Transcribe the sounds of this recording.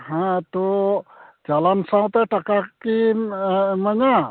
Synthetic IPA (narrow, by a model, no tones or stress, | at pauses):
ɦãt̪o | d͡ʒalansãw̃t̪aʈakaki | maɲa